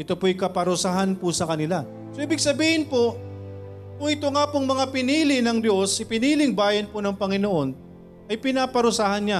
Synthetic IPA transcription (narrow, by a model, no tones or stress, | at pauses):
ʔɪt̪o̞pojkɐpɐɾʊsaɦanpʊsɐkɐnɪla | soʔiːbɪɡ̚sɐbiːhɪnpo̞ | kʊŋɪt̪oŋapoŋmɐŋapɪniːlɪnɐŋd̪jo̞sɪpɪniːlɪŋbaːjɐnponɐŋpɐŋɪno̞ʔo̞n | ʔɐjpɪnaːpɐɾʊsaːhɐnɲa